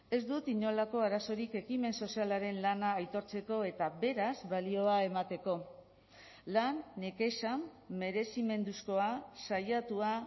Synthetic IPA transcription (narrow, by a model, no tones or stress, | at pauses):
e̞zd̪ut̪iɲo̞lako̞aɾaso̞ɾike̞kime̞nso̞sialaɾe̞nlanaːjt̪o̞ɾt͡se̞ko̞e̞t̪aβe̞ɾazβalio̞ae̞mat̪e̞ko̞ | lanːeke̞ʃamː | e̞ɾe̞sime̞nd̪usko̞asajat̪ua